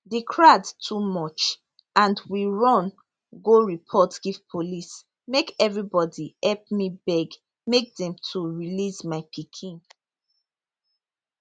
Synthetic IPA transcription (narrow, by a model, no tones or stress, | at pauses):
dekʰɹadtʰumɔt͡ʃ | ʔãndwiɹɔ̃n | ɡoɹipʰɔtɡ̥iv̥pʰolis | mekɛvɹibɔdiɛlpmibɛɡ | mek̚dɛ̃mtʰuɹilismaɪpʰikʰĩn